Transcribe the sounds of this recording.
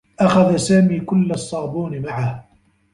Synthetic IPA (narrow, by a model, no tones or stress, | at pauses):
ʔaxaðasaːmiːkʊlːasˤːɑːbuːnɪmaʕah